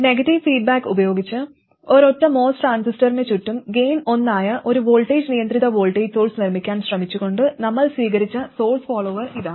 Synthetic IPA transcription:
ne̞ɡɐʈːiʋfiːɖ̚baːkːubɐjo̞ːɡit͡ɕːɨ | o̞ɾo̞tːɐmo̞ːsʈaːnsisʈɐrinet͡ɕuʈːumɡe̞jno̞nːaːjɐʔo̞ɾuʋo̞ːlʈeːd͡ʑnijɐnd̪riðɐʋo̞ːlʈeːso̞ːɭsnirmikʲːaːnɕrɐmit͡ɕːuɣo̞ɳɖɨnɐmːɐɭsʋiːɣɐɾit͡ɕːɐso̞ːɭsfoːɭoːʋɐriðaː

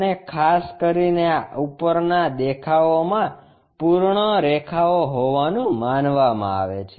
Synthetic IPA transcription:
nekʰaskəɾineaupəɾnad̪ekʰaomã | puɾɳəɾekʰaoɦoʋanũmanʋamã̰a̰ʋḛt͡ʃʰe

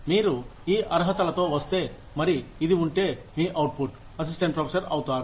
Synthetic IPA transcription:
miːɾuiːʔɐɾɦɐt̪ɐlɐt̪oːʋɐst̪eː | mɐɾiid̪iuɳʈeːmiːʔɐwʈ̚puʈ | ɐsisʈeɳʈ̚pɾoːpʰesɐɾɐwt̪aːɾu

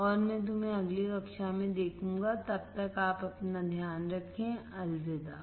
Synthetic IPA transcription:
ɔːɾmɛ̃ːt̪̬ʊmɛ̃ɐɡleɾɐkʃamẽd̪eːkʰũːŋɡat̪ɐb̚t̪ɐkaːpɐpnad̪ʱjaːnɾɐkʰẽɐlzed̪aː

